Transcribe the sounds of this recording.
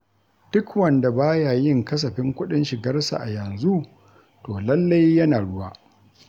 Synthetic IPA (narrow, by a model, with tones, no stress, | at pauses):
d̥ʊ˦kwɐ˨nda˨baː˦ja˨jɪ˦˨ŋkɐ˦s̬ɐ˨ɸɪ˦ŋkʷʊ˦ɗɪ˦nʃɪ˨ɡɐ˦rsa̰˨ʔa˨jɐ˨nzu˦ | toː˨lɐ˦lːa˦jːɐ˦naː˨ɽʊ˦waː˦